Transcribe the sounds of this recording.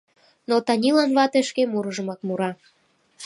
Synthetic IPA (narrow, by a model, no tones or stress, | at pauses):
not̪ɑnʲilɑnβɑt̪eʃkemuɾəʒə̆mɑkmuɾɑ